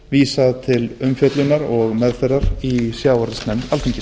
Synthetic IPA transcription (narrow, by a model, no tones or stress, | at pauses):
viːsaðt̪ʰɪlʏmfjœt̪lʏnːaɾɔɣmɛðfɛɾaɾisjaːwɔɾðɪsnɛmt̪alt̪ʰeɲcːɪ